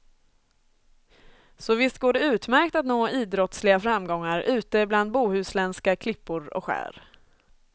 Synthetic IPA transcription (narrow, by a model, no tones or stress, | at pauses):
sɔvɪst̪̚ɡoːɖɛʉ̟ːt̪mæɾk̚t̪at̪noːiːd̪ɾɔt̪slɪɡafɾamːɡɔŋːaɾʉ̟ːt̪əbland̪̚buːhʉ̟ːslɛnskakʰlɪpːʊɾɔ̰kɧæ̰ːɾ